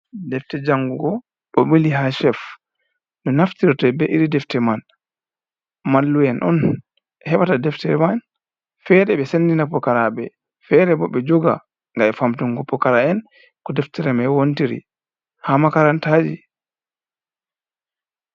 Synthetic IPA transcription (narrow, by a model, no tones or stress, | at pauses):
dɛftɛd͡ʒaŋɡuɡɔ | ɓɔmiliɦaʃɛf | dɔnaftiɾɔtɔbɛʔiɾidɛftɛman | malːujɛnʔɔ̰n | hɛɓatadɛftɛɾɛman | fɛɾɛɓɛsenːdinapɔkaɾaɓɛ | fɛɾɛbɔɓɛd͡ʒɔɡa̰ | ŋɡaɛfamtuŋɡɔpːɔkaɾaɛn | kɔdɛftɛɾɛmɛwontiɾḭ | hamakaɾantad͡ʒi